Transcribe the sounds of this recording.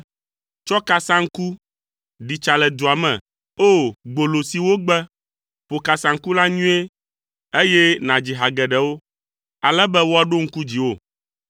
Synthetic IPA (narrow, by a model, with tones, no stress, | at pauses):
t͡ʃɔ˦ka˨sã˦ŋ̩˦ku˦ | ɖi˨t͡ʃa˨lɛ˨d̪o˨a˨mɛ̰̃˨ | o˦˨ɡ͡bo˨lo˨si˨wo˦ɡ͡bɛ˦ | ɸo˨ka˨sã˨ŋ̩˦ku˦la˦ɲũ˦e˦ | e˦jɛ˦nã˨d͡ʑi˨ɦa˨ɡɛ˨ɖɛ˨wo˦ | a˨lɛ˦bɛ˦wo˦a˨ɖo˦ŋ̩˦ku˦d͡ʑi˨wo˦˨